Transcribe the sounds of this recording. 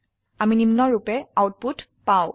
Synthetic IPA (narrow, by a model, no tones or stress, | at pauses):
aminimnɔɹupɛawt̚putpaʊ̃